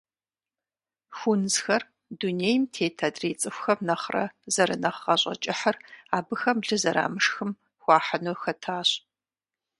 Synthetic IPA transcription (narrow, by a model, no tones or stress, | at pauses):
xʷunzxɐr | duneːjmtʰeːtʰɐdreːt͡sʼɨxʷxɐmnɐχrɐ̰zɐɾɨ̰nɐχːɐɕʼɐ̰t͡ʃʼɪħɐraːbɨxɐmɮɨzɐɾa̰ːmɨʂxɨm | xʷɑːħɐnuxɐtʰaːɕ